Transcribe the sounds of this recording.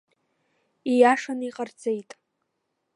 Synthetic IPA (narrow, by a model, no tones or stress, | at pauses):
ijaʂaniqʼard͡ze̞jtʼ